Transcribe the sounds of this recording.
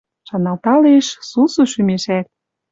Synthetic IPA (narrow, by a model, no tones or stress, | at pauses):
ʃɑnɑlt̪ɑleʃsusuʃymeʃæt̪̚